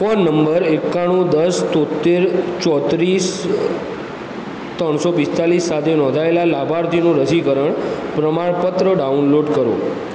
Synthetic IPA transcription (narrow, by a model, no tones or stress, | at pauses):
fɔnːəmbəɾekːaɽ̃ũd̪əst̪ot̪ːeɾt͡ʃɔt̪ɾis | t̪ɾəɳ̃sobist̪alisːat̪ʰenɔ̃nd̪ʱaelalabʱaɾt̪ʰinũɾəsiɡəɾəɳpɾəmaɭpət̪ɾəɖaunloɖkəɾõ̰